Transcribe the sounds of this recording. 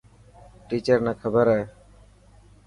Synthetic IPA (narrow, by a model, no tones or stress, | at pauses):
ʈiːt͡ʃəɾnakʰəbəɾɛ